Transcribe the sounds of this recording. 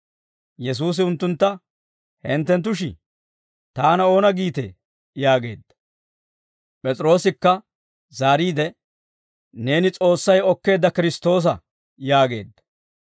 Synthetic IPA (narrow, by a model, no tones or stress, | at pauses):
jɛs̬uːs̬ɪʊnt̪ːʊnt̪ːɐ | hɛnt̪ːɛnt̪̬ːʊʃ̬ɪ̰ | t̪aːnɐo̞ːnɐɡiːt̪ḛ | jaːɡe̞ːd̪ːɐ̥ | pʼɛt͡sʼɾo̞ːsɪkːɐ | zaːɾiːd̪ɛ | ne̞ːnɪt͡sʼo̞ːsːɐjɔkːe̞ːd̪ːɐkɪɾɪst̪o̞ːs̬ɐ | jaːɡe̞̰ːd̪ːɐ̥